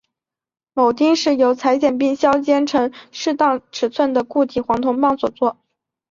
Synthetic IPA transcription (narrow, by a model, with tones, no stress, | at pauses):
mo˨˩ʊt̪i˥ŋʂɻ̩˥˩jo˧˥ʊt͡sʰa˧˥ɪt͡ɕjɛ˨˩npi˥ŋɕjɑ˥ʊt͡ɕjɛ˥nʈ͡ʂʰɤ˧˥ŋʂɻ̩˥˧t̪ɑ˥˩ŋʈ͡ʂʰɻ̩˨˩t͡sʰwə˥˩nd̪ə˩ku˥˩t̪ʰi˨˩xwɑ˧˥ŋt̪ʰʊ˧˥ŋpɑ˥˩ŋswɔ˨˩t͡swɔ˥˩